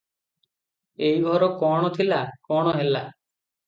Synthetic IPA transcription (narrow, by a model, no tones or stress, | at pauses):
ejɡʱɔɾɔkɔɽ̃ɔt̪ʰilakɔɽ̃ɔɦela